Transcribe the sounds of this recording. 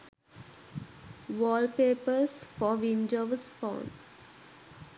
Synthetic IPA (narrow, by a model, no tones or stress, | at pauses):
ʋɔːlpeːpəɾsfɔːʋĩnd͡ʒoʋsfãʊ̃nɖ